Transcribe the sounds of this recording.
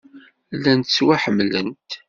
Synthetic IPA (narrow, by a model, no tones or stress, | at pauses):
lːænt̪ət͡sːwaħəmːlə̰nt̪